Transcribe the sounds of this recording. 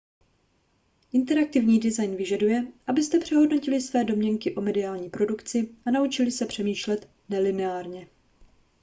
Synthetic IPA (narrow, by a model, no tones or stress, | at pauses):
ʔɪnt̪ɛɾak̚t̪ɪvɲiːdɪzajnvɪʒadujɛʔabɪst̪ɛpr̝̥ɛɦo̞dno̞cɪlɪsvɛːdo̞mɲɛŋkɪʔo̞mɛdɪaːlɲiːpɾo̞dukt͡sɪʔanaut͡ʃɪlɪsɛpr̥ɛmiːʃlɛt̪ | nɛlɪnɛaːɾɲɛ